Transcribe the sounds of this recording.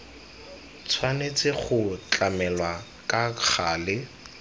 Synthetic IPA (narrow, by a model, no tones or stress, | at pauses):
t͡sʰwanet͡sʼɪχʊt͡ɬʼamɛlwa | kʼak͡xʰaːlɪ